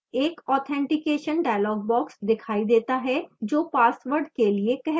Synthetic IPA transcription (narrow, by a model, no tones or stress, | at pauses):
eːkɔːt̪ʰɛ̃ːɳʈɪkeːʃənɖaːjlɔːɡ̚bɔːksd̪ɪkʰaːid̪eːt̪aɦɛd͡ʒoːpaːsʋəɾɖkeliekɛɦ